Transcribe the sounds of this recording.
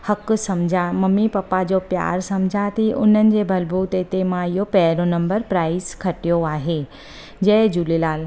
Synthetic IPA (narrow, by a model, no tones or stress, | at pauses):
hɐksɐmd͡ʑʱamɐmːipɐpːad͡ʑopja̰ːɾsɐmd͡ʑʱat̪ʰiʔʊ̰n̤ənɪ̆d͡ʑebʱɐlbʱuːt̪et̪emãɪjopɛːɾonɐ̃mbəɾpɾaːɪskʰɐʈijoaːɦe | d͡ʑɛːd͡ʑulelaːl